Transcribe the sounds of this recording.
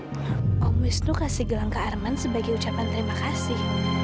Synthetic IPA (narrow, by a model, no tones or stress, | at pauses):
ɔmisnukasiɡəlaŋkaːrmansəbaɡajut͡ʃapant̪əɾimakasi